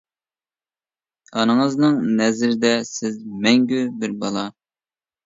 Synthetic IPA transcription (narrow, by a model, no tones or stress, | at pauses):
ɑnɨŋəznɨŋnɛzɪɾɪd̪ɛsɪzmɛŋɡʲybɪɾbɑlˠɑ